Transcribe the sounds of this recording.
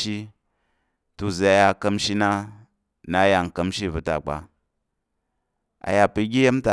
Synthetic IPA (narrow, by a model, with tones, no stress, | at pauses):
i˦ | tu˨za˨a˨ja˧˨kɐ˧mʃi˦na˦ | na˦ja˨ŋ̩˨kɐ˧mʃi˦˨vu˨ta̰˨k͡pa̰˨ | a̰˨ja˨pi˧ɡʲi˦je˦m˦ta˨